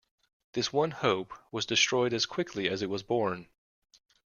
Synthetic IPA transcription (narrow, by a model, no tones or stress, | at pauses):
ðɪswʌ̃nhoʊpwʌzdɨstɹ̥ɔɪɾɨz̥kʰw̥ɪkʰliɨzɨt̚wʌzbɔɹn